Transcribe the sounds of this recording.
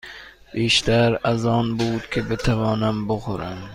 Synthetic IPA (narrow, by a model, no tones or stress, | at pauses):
eʃt̪aɾazɒnbuːt̪kʲʰɪbɪt̪ʰavɒːnamboχʊɾan